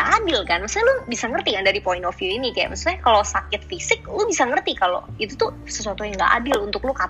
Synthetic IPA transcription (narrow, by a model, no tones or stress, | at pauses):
ʔadɪlkanmaksuɲalʊbisaŋərt̪ikandaɾipoɪnɔfuinikaja̰masut̪ɲakalosakɪt̪̚fisɪk̚lubisaŋərt̪ikalo̰it̪ut̪ʊ | səsuat̪ujaŋɡa̰ʔa̰dɪlunt̪ʊk̚luka